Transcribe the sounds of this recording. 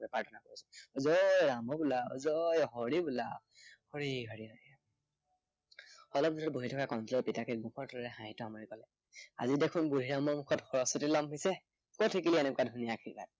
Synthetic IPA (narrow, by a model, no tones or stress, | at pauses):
paɹtʰɔnakoɹisɔzɔjɹamɔbula̰zɔjɔɦɔɹibula | hɔɹiɡʱɔɹiɔj | ɔlɔb̚zudɔtboɦitʰɔkakɔntɔlɔpitakʰit̚bukʰɔɹtʰɔlilɛɦãɦitɔamɔɹikɔlɛ | a̰zidekʰunbuɾʱiɹamɔɹmukʰɔtxɔɹɔsɔtilɔmɦɔjsɛ | kɔtʰikilienɛkwadʱunijakʰiɹka̰t̚